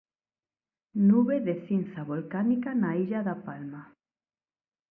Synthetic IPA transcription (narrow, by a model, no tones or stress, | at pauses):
nuβeðeθinθaβolkanikanaiʎaðapalma